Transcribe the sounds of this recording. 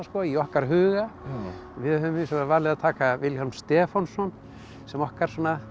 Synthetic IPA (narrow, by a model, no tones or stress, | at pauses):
skɔiɔhkaɾɦʏːɣa | vɪðhʏmɪsɛvaɾvaɾlɪðat̪ʰaːkavɪlhɔlmst̪ɛːfɔnsɔn | sɛmɔhkaɾ̥sɔːna